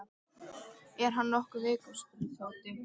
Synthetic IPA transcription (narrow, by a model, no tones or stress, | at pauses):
ɛɾ̥ɦanːɔhkʏvɪːkʏstʏɾθaːwt̪ɪ